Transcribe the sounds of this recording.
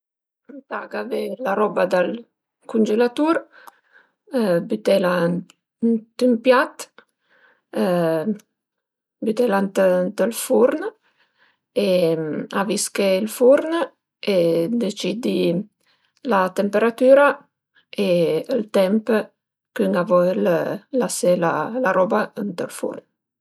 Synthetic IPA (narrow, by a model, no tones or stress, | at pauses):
ənt̪aɡavelaɾɔbad̪al | kund͡ʒelat̪uɾ | byt̪ɛla | nt̪ympjat̪ | byt̪ɛlant̪nt̪əlfuɾn | eaviskeilfuɾn | ed̪et͡ʃid̪i | lat̪empeɾat̪yːɾa | eəlt̪ɛmp | kyŋavɔləlasela̰laɾɔbaənt̪əlfṵrn